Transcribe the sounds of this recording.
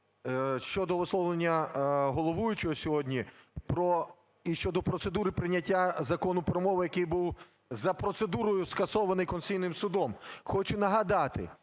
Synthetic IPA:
ʃt͡ʃɔd̪ɔʋɔslˠɔʋlˠenʲːɐɦɔlˠɔʋujʊt͡ʃɔɦɔsʲɔɦɔdʲnʲipɾɔ | iʃt͡ʃɔd̪ɔpɾɔt̪sed̪uɾɪpɾɪnʲːɐtʲːazɐkɔnʊpɾɔmɔʋɪjɐkɪjbuw | zɐpɾɔt̪sed̪uɾɔjʊskɐsɔʋɐnɪjkɔnsʲijnɪmsʊd̪ɔmxɔt͡ʃʊnɐɦɐd̪ɑt̪ɪ̰

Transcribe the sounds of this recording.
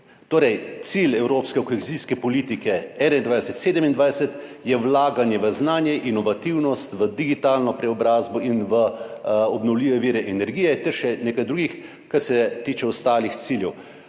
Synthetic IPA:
t̪oːɾɛjt̪silɛwɾoːpskɛkoxeziskɛpɔliːt̪ikɛɛnaind̪ʋajsɛt̪seːd̪ɛmind̪ʋajsɛt̪ | jɛwlaːɡanjɛʋəznaːnjɛʔinɔʋat̪iwnɔst̪ʋəd̪iɡit̪aːlnɔpɾɛɔbɾaːzbɔinʋəɔbnɔwliːʋɛʋiːɾɛʔɛnɛɾɡiːjɛt̪ɛɾʃɛneːkajd̪ɾuːɡix | kaɾsɛt̪iːt͡ʃɛɔst̪aːlixt̪siːljɛw

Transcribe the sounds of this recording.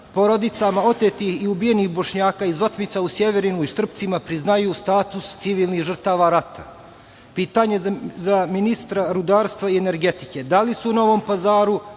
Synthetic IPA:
po̞ɾo̞d̪it̪samao̞t̪et̪ihiubije̞nixbo̞ʃɲaːkaːizo̞t̪mit̪sausje̞ʋe̞ɾinuiʃt̪r̩pt̪simapɾiznajuːst̪aːt̪ust̪siʋiːlˠnihʒr̩t̪aːʋaːɾat̪ʰa̰ | piːt̪aɲe̞zaminist̪ɾaɾud̪aːɾst̪ʋaiene̞ɾɡe̞t̪i̥ked̪alisuno̞ʋo̞mpazaːɾu

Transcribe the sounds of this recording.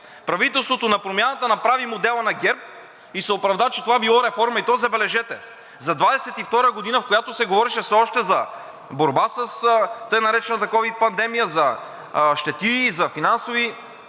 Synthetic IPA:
pɾɐvit̪ɛlˠst̪vot̪onɐpɾomʲjanɐt̪ənɐpɾavimod̪ɛlˠɐnɐɡʲɛɾp̚ | isɛopɾɐvd̪at͡ʃɛt̪ovabilˠɔɾɛfɔɾmɐit̪ɔjzɐbɛlɛʒɛt̪ɛ | zɐd̪vad̪ɛsɛt̪ift̪ɔɾəɡod̪inəfkojat̪osɛɡovɔɾɛʃɛfsɛɔʃt̪ɛzɐ | boɾbasəst̪ɤjnɐɾɛt͡ʃɛnət̪ɐkɔvit̪̚pɐnd̪ɛmijəzɐ | ʃt̪ɛt̪iːzɐfinansovi

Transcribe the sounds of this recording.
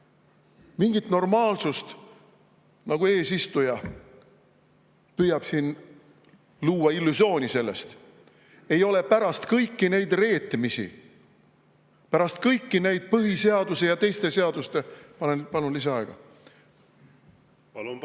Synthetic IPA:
miŋɡ̥it̪no̞rmɑːlsust̪ | nɑɡ̥ue̞ːsist̪ujɑ | pyjɑb̥siːn | luːwɑilːusio̞ːnise̞lːe̞̰st̪ | e̞jo̞lepæɾɑst̪kɤjkːine̞jd̪re̞ːt̪ːˑimisḭ | pæɾɑst̪̚kɤjkːine̞jd̪̥̚pɤɦise̞ɑd̪use̞jɑt̪e̞jst̪e̞se̞ɑd̪ust̪e̞pɑnenpɑnunlis̬ɑɑeɡ̥ɑ

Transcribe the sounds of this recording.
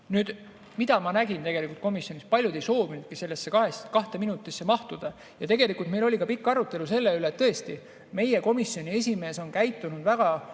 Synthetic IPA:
nyːd̪̥ | mid̪̥ɑmɑnæɡ̥int̪e̞ɡ̥e̞likult̪komisjo̞nʲispɑlʲjud̪e̞jso̞ːvinud̪̥̚kise̞lːesːe̞kɑɦheskɑht̪e̞minut̪ːˑisːemɑht̪ud̪̥ɑ | jɑt̪e̞ɡe̞likˑult̪me̞jlo̞lʲikɑpikːˑɑɾut̪ːˑe̞luse̞lːe̞yleːt̪ːɤe̞st̪i | me̞je̞ko̞misːjo̞nʲie̞sʲime̞ːso̞nkæjt̪ːˑunud̪̥væɡ̥ɑ

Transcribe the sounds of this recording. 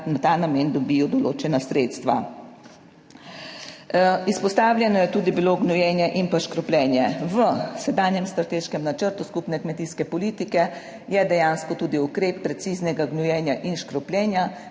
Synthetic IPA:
nat̪aːnameːnd̪ɔbiːjɔd̪ɔloːt͡ʃɛnasɾet̪st̪ʋa̰ | ispɔst̪aːwljɛnɔjɛt̪uːd̪ibiloɡnɔjɛːnjɛʔinpaʃkɾɔplʲɛːnjɛʋəsɛd̪aːnjɛmst̪ɾat̪eːʃkɛmnat͡ʃəɾt̪uskupnɛkmɛt̪iːskɛpɔlit̪ikɛ | jɛd̪ɛjaːnskɔt̪uːd̪iukɾeːpːɾɛt̪siːznɛɡaɡnujɛːnjaʔinʃkɾɔplʲjɛːnja

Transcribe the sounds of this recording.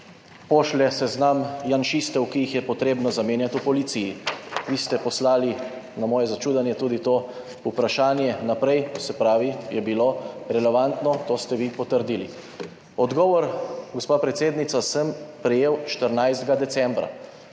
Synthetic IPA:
pɔʃlɛsɛznamjanʃist̪ɛwkijixjɛpɔt̪ɾeːbnɔzameːnjat̪upɔlit̪sijiʋiːst̪ɛpɔslaːli | namɔːjɛzat͡ʃuːd̪anjɛt̪uːd̪it̪oː | upɾaʃaːnjɛnapɾɛjsɛpɾaːʋijɛbiloɾɛlɛʋant̪nɔt̪oːst̪ɛʋipɔt̪əɾd̪ilḭ | ɔd̪ɡɔːʋɔɾɡospaːpɾɛt̪seːd̪nit̪sasəmpɾɛjeːwʃt̪əɾnajzd̪ɡad̪ɛt̪sɛ̃mbɾa̰

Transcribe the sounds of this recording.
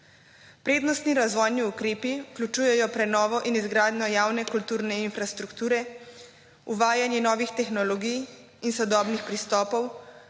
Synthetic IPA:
pɾeːd̪nɔst̪niɾazʋɔjniukɾeːpiuklʲut͡ʃuːjɛjɔpɾɛnɔːʋɔʔinizɡɾaːd̪nɔjaːwnɛkult̪uːɾnɛinfɾast̪ɾukt̪uːɾɛ | uʋaːjanjɛnɔːʋixt̪ɛxnɔlɔɡij | insɔd̪ɔːbnixpɾist̪ɔːpɔw

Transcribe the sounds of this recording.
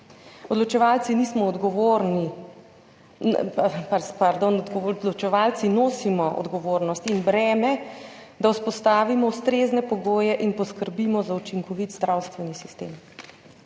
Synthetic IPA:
ɔd̪lɔt͡ʃɛʋaːlt̪siniːsmɔːd̪ɡɔʋoɾni | papaɾd̪onɔd̪ɡɔd̪lɔt͡ʃɛʋaːlt̪sinoːsimɔʔɔ̰d̪ɡɔʋoːɾnɔst̪inbɾɛːmɛd̪auspɔst̪aːʋimɔust̪ɾeːznɛpɔɡoːjɛʔinpɔskəɾbiːmɔzaut͡ʃiŋkɔʋit̪zd̪ɾawst̪ʋɛnisist̪ḛːm

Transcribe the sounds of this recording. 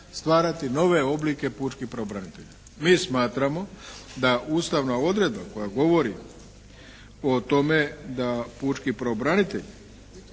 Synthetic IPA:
st̪ʋaːɾat̪ino̞ʋe̞o̞blike̞puːt͡ʃkipɾaobɾanit̪eʎa | miːsmaːt̪ɾamo̞d̪aʔuːst̪aʋnao̞d̪ɾe̞d̪̚bako̞jaɡo̞ʋo̞ɾi | o̞t̪o̞me̞d̪apuːt͡ʃkipɾaobɾanit̪eʎ

